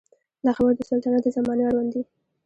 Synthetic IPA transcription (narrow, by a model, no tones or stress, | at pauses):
laxabəɾd̪əsalt̪ɑnat̪d̪əzamɑnjaɾwand̪i